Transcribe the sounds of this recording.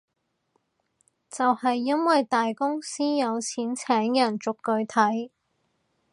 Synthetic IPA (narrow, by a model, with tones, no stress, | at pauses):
t͡sɐ˨whɐ˨jːɐ˥nwɐ˨jt̪aː˨jkʊ˥ŋsiː˥jɐ˨˧wt͡sʰiː˨˥nt͡sʰɛː˨˥ŋjɐ˨˩nt͡sʊ˨kːɵ˧ɥt̪ʰɐ˨˥j